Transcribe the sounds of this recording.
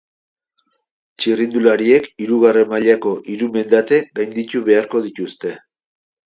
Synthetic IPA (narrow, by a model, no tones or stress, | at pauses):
t͡ʃirind̪ulaɾie̞kiɾuɣ̞are̞mːaʎako̞ʔiɾume̞nd̪at̪e̞ɡajnd̪it̪uβe̞aɾko̞ðit̪ust̪e̞